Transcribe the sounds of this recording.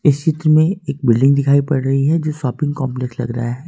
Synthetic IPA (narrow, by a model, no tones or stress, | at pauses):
ɪst͡ʃɪt̪ɾəmẽeːk̚bɪlɖɪ̃ŋɡd̪ɪkʰaːipɐɽɾɐɦiɦɛd͡ʒoːʃɔːpɪ̃ŋɡkɔ̃ːmplekslɐ̰ɡɾɐ̰ɦaɦɛː